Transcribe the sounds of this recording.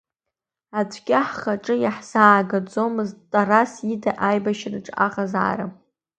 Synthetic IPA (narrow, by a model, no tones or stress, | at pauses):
at͡sʷʰʼkʲʼaħχaʈ͡ʂʼɨjaħz̥aːɡad͡zomɨztʼarasidaʔajbaʃrɨʈ͡ʂʼa̰χaza̰ːra